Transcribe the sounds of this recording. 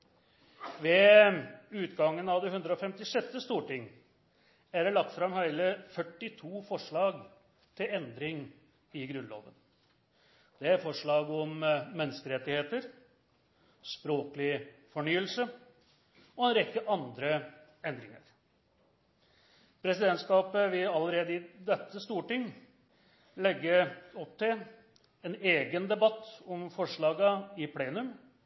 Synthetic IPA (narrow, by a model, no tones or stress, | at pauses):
ʋɛː | ʉːt̪ɡɑŋːənɑʋd̪ɛɦʉnd̪ɾəɔfɛmt̪ɪʂɛt̪ːəst̪uːʈɪŋː | æɖɛlɑk̚t̪fɾɑmhæɪləfœʈːɪt̪ʰuːfɔʂɭɑːɡ | t̪ʰɪlɛnd̪ɾɪŋ | ɪɡɾʉnlo̰ːʋə̰n | d̪̥ɛæɾfɔʂɭɑːɡɔmːɛnːəskəɾɛt̪ːɪheːt̪əɾ | spɾoːkəlɪfɔɳyːəlsə | ɔɛnɾɛkːəʔɑnd̪ɾə | ɛnd̪ɾɪŋə̰ɾ | pʰɾɛsɪd̪ɛnt̪skɑːpəʋɪlɑləɾeːd̪əɪd̪ɛt̪ːəst̪uːʈɪŋ | lɛɡːəɔpt̪ɪl | ɛneːɡənd̪ɛbɑt̪ːɔmfɔʂɭɑːɡəɪpʰleːnʉm